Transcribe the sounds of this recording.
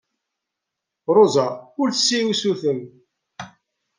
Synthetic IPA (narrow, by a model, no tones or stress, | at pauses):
ɾˤozaʊɾθsːiusuθəm